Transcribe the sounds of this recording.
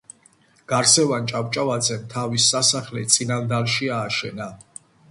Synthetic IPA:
ɡ̥aɾsɛvant͡ʃʼapt͡ʃʼavad̪zɛmt̪ʰavisːasaχlɛt̪sʼinand̪alʃiaːʃɛna

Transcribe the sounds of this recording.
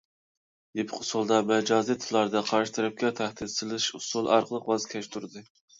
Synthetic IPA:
d̪epʰqʰʊsulˠd̪ɑmɛd͡ʒɑːzijt̪ʰɨlˠɑɾd̪ɑqʰɑɾʃɪ̥t̪ʰɛɾɛp̚kʲɛt̪ʰæhd̪ɪd̪sɨlˠɨʃusulˠɑ̰ɾqəlˠəqwɑzkʲʰɛʃt̪ʰuɾɨd̪ɨ

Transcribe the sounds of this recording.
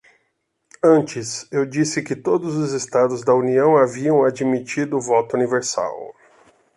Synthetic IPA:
ɐ̃nt͡ʃɪsewd͡ʒisɪkɪt̪od̪ʊzʊzest̪ad̪ʊzd̪ɐuniɐ̃w̃aviɐ̃w̃ad͡ʒimit͡ʃid̪ʊːvɔt̪ʊuniveɾsa̰w

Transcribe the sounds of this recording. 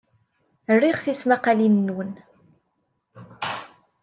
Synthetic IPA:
ərːiχθismaqalinːwən

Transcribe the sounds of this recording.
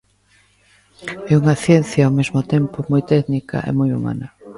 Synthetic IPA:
ɛuŋɐθjen̟θjɐawmezmʊt̪empʊmojt̪ɛknikɐ̰ʔḛmojṵma̰nɐ

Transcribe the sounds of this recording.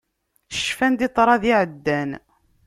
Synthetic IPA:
ə̥ʃfænd̪it̪ˤɾˤɑðiʕəd̪ːæn

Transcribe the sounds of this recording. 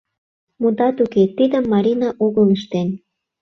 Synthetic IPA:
mud̪ɑt̪uket̪id̪əmːɑɾʲinɑʔoɣəliʃt̪en

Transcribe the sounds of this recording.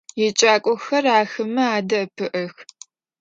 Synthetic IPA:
jɪt͡ʃʼaːkʷʼɔxɐraːxɨmɨaːdɐpʰɨʔɐx

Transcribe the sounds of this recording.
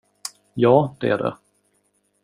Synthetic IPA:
jɑːd̪ɛæɖɛ̰

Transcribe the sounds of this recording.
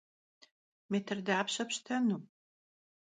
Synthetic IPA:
metʰɨrdaːpʰɕɐpɕtʰɐnu

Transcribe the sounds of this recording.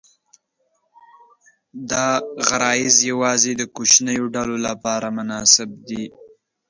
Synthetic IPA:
d̪ɑɣaɾɑjɪzjawɑzed̪əkot͡ʃnəjoɖalolapɑɾamʊnɑsɪb̚d̪i

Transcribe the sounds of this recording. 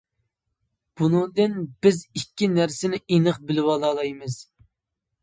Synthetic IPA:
b̥unɨŋd̪ɨnb̥ɪzikʲːinæɾsɪnɪinɨχbɪlɪwɑlˠɑlˠɑjmɨz̥

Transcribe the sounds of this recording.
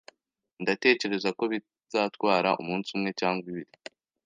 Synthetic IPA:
ndate̞ːce̞ɾe̞zako̞βi | z̥aːtwaːɾa̰ʔṵmuːnsumŋe̞caːŋɡwiβiɾi

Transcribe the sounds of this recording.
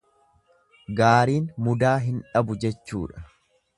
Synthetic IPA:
ɡaːɾiːnmʊd̪aːɦɪnᶑɐbʊd͡ʒɛt͡ʃːṵːᶑɐ̥

